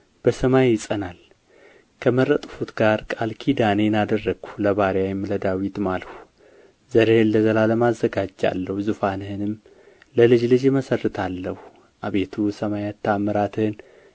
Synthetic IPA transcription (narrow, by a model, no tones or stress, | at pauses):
b̥əsəmajːɪsʼənal | kʰəməɾət̪ʼfut̪ɡaɾkʼalkʰid̪anenad̪ərːəɡu̥ləβaɾjajɛmləd̪awit̪malhu | zəɾehnːəzəlaləmazːəɡad͡ʒa̰lːəhuzɨfanɨhɨnɨm | ləlɨd͡ʒlɨd͡ʒməsərːɨt̪ʰalːəhu | ʔaβe̞t̪ʰusəmajat̪ʰːaməɾat̪ʰɨhɨn